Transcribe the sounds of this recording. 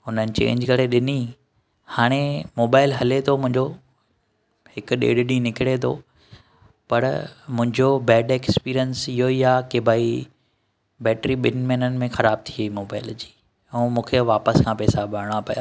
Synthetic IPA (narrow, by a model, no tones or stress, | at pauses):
ɦʊnənɪ̆t͡ɕḛ̃ːɲd͡ʑkɐɽeɗɪni | haːɽ̃emoːbaːɪlɦɐlet̪ʰomʊ̃ɦɪ̃ɲd͡ʑo | hɪkʊ̆ɗḛːɽɗĩnɪkɪɽet̪ʰo̰ | pɐɾmʊ̃ɦɪ̃ɲd͡ʑobɛːɖeːkspiːɾijənsɪɦoiaːkebʱaːi | bɛːʈɾiɓɪnmɛːnənɪ̆mẽxɐɾaːb̚t̪ʰiimoːbaːɪld͡ʑiː | ũːmũːkʰeʋaːpəskʰãːpɛːsabʱɐɾɽ̃apɐjaː